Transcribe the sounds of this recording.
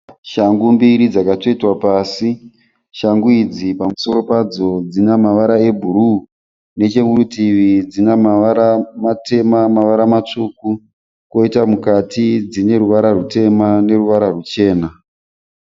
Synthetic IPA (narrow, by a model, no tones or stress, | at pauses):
ʃaŋɡumbiɾid͡zakato̞itwapaːsi | ʃaŋɡuid͡zipamuso̞ɾo̞pad͡zo̞d͡zinamaʋaɾae̞bʱuɾuː | ne̞t͡ʃe̞ŋurutiʋid͡zinamaʋaɾamate̞mamaʋaɾamat͡ʂuku | ko̞itamukatid͡zine̞ɾuʋaɾarute̞mane̞ruʋaɾarut͡ʃe̞ːna